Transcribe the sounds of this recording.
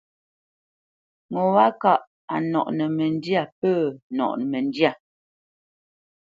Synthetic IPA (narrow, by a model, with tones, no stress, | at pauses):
ŋo˨wa˦ka˦˨ʔ | a˨nɔ̰˨ʔnɛ˨mɛ˨n˦dja˦˨pəː˦˨nɔ̰˨ʔn˨mɛ˨n˦dja˦˨